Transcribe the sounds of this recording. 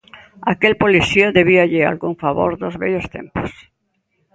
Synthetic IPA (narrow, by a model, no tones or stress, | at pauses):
akelpoliθioðeβ̞iaʎea̰lɣuŋfaβo̰ɾðozβɛʎost̪ḛmpo̥s